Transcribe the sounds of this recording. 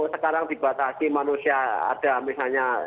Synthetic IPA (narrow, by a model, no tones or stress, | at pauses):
səkaɾaŋdi̤bat̪asimanusiaa̰d̥a̤misalɲa